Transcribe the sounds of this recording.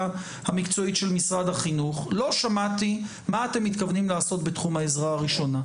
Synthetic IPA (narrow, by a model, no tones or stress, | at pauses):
hamikt͡so̞itʃe̞lmisʁad̪haχinuχlo̞ʃamat̪i | maːte̞mːit̪kavnimlaːso̞tbetχumaezʁaaʁiʃo̞na